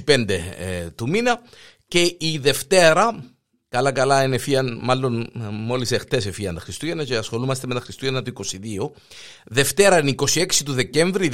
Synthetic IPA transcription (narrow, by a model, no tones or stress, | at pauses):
pe̞nd̪et̪uminɐ | ce̞iðe̞ft̪e̞ɾɐ | kɐlɐkɐlɐinefiɐnmɐlːo̞nmo̞lisext̪e̞sefiɐnt̪ɐxɾist̪uʝɐnɐceɐsxo̞lumɐst̪emet̪ɐxɾist̪uʝɐnɐt̪uiko̞siðio̞ | ðe̞ft̪e̞ɾɐiniko̞sie̞ksit̪uðe̞ce̞ɱvɾiu